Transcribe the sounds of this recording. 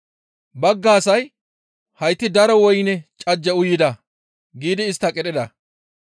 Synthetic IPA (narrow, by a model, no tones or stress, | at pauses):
bɐɡːaːsɐj | hɐjt̪ːɪd̪ɐɾɔwɔjnɛt͡ʃʼɐd͡ʒːɛʊjːɪd̪ɐ | ɡiːd̪ɪːst̪ːɐkʼɛɗɪd̪ɐ